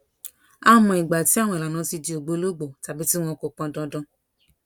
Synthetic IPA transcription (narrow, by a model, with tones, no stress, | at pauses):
a˧mɔ̃˨i˨ɡ͡ba˨ti˦a˦˨w̃ɔ̃˧i˨la˨nã˧˦ti˧d͡ʒi˧o˨ɡ͡bo˧˦lo˦ɡ͡bo˨ta˨bi˦ti˦w̃ɔ̃˧ko˨k͡pã˨˧dɔ̃˧dɔ̃˧